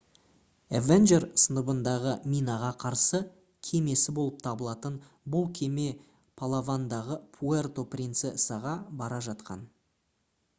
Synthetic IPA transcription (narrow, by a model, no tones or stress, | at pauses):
evenʒe̞rsənəbənd̪ɑʁəmʲijnɑʁɑqʰɑɾsə | kʲʰe̞me̞sɪbo̞lˠəp̚t̪ʰɑbəlˠɑt̪ən | bʊlˠkʲʰe̞me̞ | pʰalˠavand̪ɑʁəpʰuert̪o̞prʲint̪sɪəsɑʁɑbɑɾɑʒɑt̪qʰɑ̰n